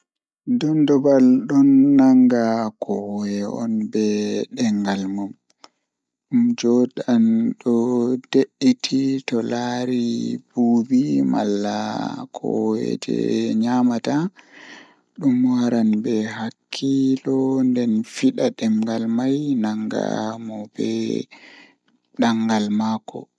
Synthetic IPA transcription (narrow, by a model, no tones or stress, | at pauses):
dɔndɔbalɗɔnːaŋɡakʰɔwjɛɔ̰nbɛɗɛŋɡalmum | ɗumd͡ʒɔdanɗɔd̥eʔːitʰitɔlaɾib̥uːbima̰lːa̰kʰɔ̰wɛ̰d͡ʒɛ̰ɲamata | ɗumwaɾanbɛɦakʰːilɔndɛnfiɗaɗɛŋɡalmajnaŋɡa̰mɔbɛ̰ | ɗaŋɡalmaːkɔ̰